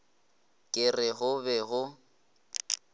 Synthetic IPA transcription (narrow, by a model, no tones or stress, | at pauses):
kʼɪrɪɣʊbɛɣʊ